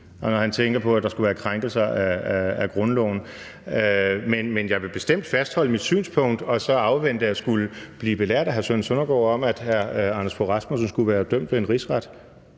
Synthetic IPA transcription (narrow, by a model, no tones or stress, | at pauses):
nɒɦænt͡sʰeŋɡ̥ɐpʰɒ̽æd̥ɑ̈sɡ̥uʋæːɐkʰʁaŋɡ̥l̩sɐæææɡ̥ʁɔ̽nlɔ̰ʊn̩ | ømenmenjɑ̈ɪʋe̝b̥e̝sd̥em̰d̥fæsd̥hɒ̽l̰əmid̥sy̰ːnspʰɔ̽ŋ̰d̥ɒ̽sɒ̽ɑ̈ʊʋen̰d̥əæsɡ̥uləb̥liːb̥e̝læɐ̰d̥æɦæɐsønsønɐɡ̥ɒ̰ːɒ̽mæd̥hæɐɑnəspʰoʁɑsmosnsɡ̥uʋæːɐd̥øm̰d̥ʋe̝enʁisʁɑd̥